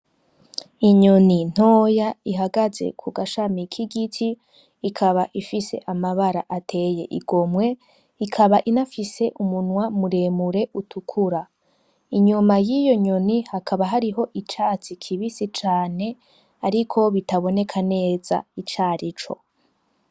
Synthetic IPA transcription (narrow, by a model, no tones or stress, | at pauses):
iɲonin̥o̞ːjaiɦaɡaze̞̰kʰuɡaʃamikʰiɡitʰiː | kʰaβaʔifise̞̰ʔamaβaɾa̰ʔatʰe̞je̞̰ʔiɡo̞mwe̞ | ikʰaβaʔinafise̞ʔumunwamuɾe̞ːmuɾe̞ʔutʰukʰuɾa | iɲumajijo̞ɲo̞nihakʰaβaɦaɾiɦo̞ʔit͡ʃaːt͡sikʰiβisit͡ʃaːne̞ | aɾikʰo̞βitaβo̞ne̞kʰane̞ːz̥a̰it͡ʃaːɾit͡ʃo̞̰